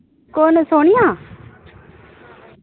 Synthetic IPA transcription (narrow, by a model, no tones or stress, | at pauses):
koːnsoːɽ̃ɪjãː